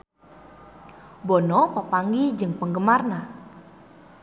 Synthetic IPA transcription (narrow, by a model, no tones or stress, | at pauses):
bɔnɔpəpaŋɡid͡ʒɨŋpəŋɡəmarna